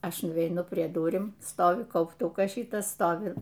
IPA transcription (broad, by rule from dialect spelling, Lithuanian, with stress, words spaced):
ˈɐʃ nʊʋʲɛɪˈnʊ pʲrʲiɛ ˈdʊrʲɪm ˈstoːʋʲɪ kɐʊpˈtʊkɐs ˈʃʲiːtɐs ˈstoːʋʲɪ